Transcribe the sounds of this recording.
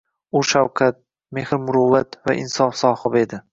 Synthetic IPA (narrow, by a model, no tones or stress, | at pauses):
ʊʃawkʰat̪̚ | mehɾmʊɾʊwat̪va̰ʔɪ̰nsɒfsɒhɪbe̞d̪ɪ